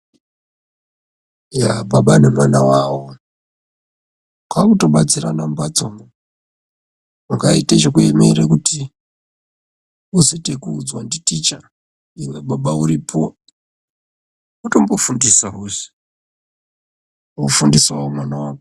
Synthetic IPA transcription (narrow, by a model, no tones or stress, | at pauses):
jabaɓanemanawawo | kakuto̞ɓat͡siranambat͡somo | mukaitat͡ʃekuemeɾekuti | usetekuːd͡zwanditit͡ʃa | iweɓaɓauɾipʰo | uto̞mbofundisaɦuzi̥ | ufundiswaomwanawaːke